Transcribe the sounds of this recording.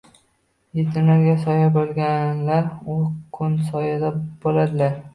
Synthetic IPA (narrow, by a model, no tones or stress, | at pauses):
jet̪ʰɪnaɾɡʲasɒjabolˠɡʲanlaɾʊkʰːʊnsɒjɪd̪ab̥olad̪ɪlaɾ